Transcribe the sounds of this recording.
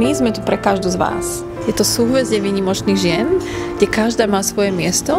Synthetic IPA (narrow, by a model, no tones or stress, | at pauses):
izmɛt̪upɾɛkaʒd̪uzʋa̰ːs | jɛt̪ɔsuːɦʋɛzɟɛʋiːɲimɔt͡ʃniːɣʒɪɛnɡɟɛkaʒd̪aːmaːsʋɔjɛmɪɛst̪ɔ